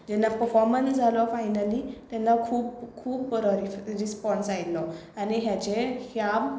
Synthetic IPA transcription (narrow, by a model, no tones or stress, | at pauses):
d͡ʑɛnːapəɾfɔɾmənsd͡zʱalɔfajnəlit̪jɛnːakʰuːbkʰuːbɾɔɾiɾispɔnsajt̪lɔaniɦjat͡ɕehjab